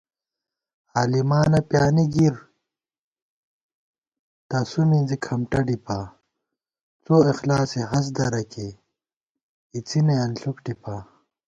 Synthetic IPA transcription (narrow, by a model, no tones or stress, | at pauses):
aːlimaːnɐpjaːniɡiɾ | t̪ɐsumizikʰɐmʈɐɖipa | t͡soːexlaːseɦɐs̬d̪ɐɾɐke | it͡sineɐnɬukʈipaː